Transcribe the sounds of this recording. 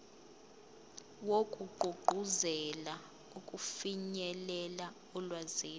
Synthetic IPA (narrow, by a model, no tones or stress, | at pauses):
wokʼuɡ͡ǃʱuɡ͡ǃʱuzɛla | ukʼufiɲɛlɛla | ɔlwazeː